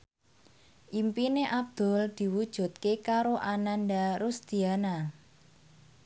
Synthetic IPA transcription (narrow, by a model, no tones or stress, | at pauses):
ʔimpineʔab̚d̪̥ʊ̤ld̪̥i̤wud̥ʒ̥ṳt̪̚kekaɾoʔananɖaɾʊsd̪̥iana